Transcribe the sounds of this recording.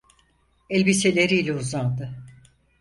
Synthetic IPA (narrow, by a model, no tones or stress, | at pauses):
ɛlʲbise̞lʲe̞ɾiːlʲɛuzand̪ɯ